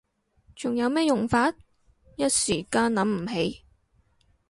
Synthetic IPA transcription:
t͡ʃʊ˨˩ŋjɐ˨˧wmɛː˥jʊ˨˩ŋfaː˧t̚ | jɐ˥t̚siː˨˩kaː˧nlɐ˨˥mm̩˨˩ɦe˨˥j

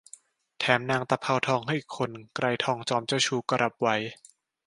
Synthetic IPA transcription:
t̪ʰɛː˩˦mnaː˧ŋt̪a˧pʰa˧wt̪ʰɔː˧ŋɦa˥˩jkʰːo˧nkɾa˧jt̪ʰɔː˧ŋt͡ɕɔː˧mt͡ɕa˥˧˩wt͡ɕʰuː˧˩ka˧ɾʔa˨˦˩p̚wa˧˦j

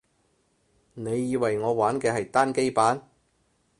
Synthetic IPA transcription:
ne˨˧jːiː˧wɐ˨˩jŋɔː˨˧waː˨˥nkɛː˧hɐ˨jt̪aː˥nke˥jpaː˨˥n

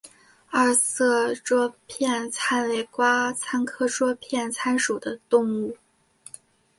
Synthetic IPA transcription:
ɐ˥˧sɤ˥˩ʈ͡ʂwɔ˥pʰjɛ˥˩nt͡sʰa˥nle˧˥˩ɪkwa˥t͡sʰa˥nkʰɤ˥˩ʈ͡ʂwɔ˥pʰjɛ˥˩nt͡sʰa˥nʂu˨˩d̪ə˦t̪ʊ˥˧ŋu˥˩

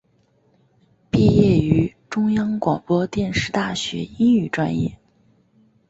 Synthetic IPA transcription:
pi˥˧jɛ˥˩y˧˥ʈ͡ʂʊ˥ŋjɑ˥ŋkwɑ˨˩ŋpwɔ˥t̪jɛ˥˧nʂɻ̩˥˧t̪a˥˩ɕɥɛ̰˧˥i˥ŋy˥˩ʈ͡ʂwa̰˥njɛ̰˥˩

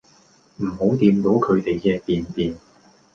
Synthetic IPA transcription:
m̩˨˩ho˨˥wt̪iː˧mt̪o˨˥wkʰɵ˨˧ɥt̪e˨jkɛː˧p̪iː˨nt̪iː˨n

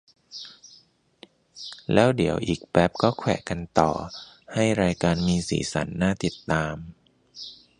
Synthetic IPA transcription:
lɛː˦˥wdi˩˦əwʔiː˨˩k̚bɛ˦˥p̚kɔː˥˩kʰwɛ̰ː˨˩ka˧nt̪ɔ̰ː˨˩ha˥˩jɾaː˧jkaː˧nmiː˧sḭː˩˦sa̰˩˦nːaː˥˩t̪i˨˩t̪ːaː˧m

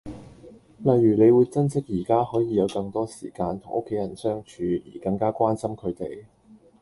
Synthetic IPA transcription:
lɐ˨jːyː˨˩le˨˧jwuː˨˧jt͡sɐ˥nt͡sɪ˥k̚jiː˨˩kaː˥hɔː˨˥jiː˨˧jɐ˨˧wkɐ˧ŋt̪ɔː˥sḭː˨˩kaː˧nt̪ʰʊ˨˩ŋʔʊ˥kʰːe˨˥jɐ˨˩nsœː˥ŋt͡ʃʰyː˨˧jḭː˨˩kɐ˧ŋkaː˥kwaː˥nsɐ˥mkʰɵ˨˧ɥt̪e˨j

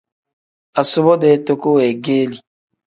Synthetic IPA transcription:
a˨sʊ˦βɔ˦dɛ˨˦to˦ko˦wɛ˨ɡeː˦li˨

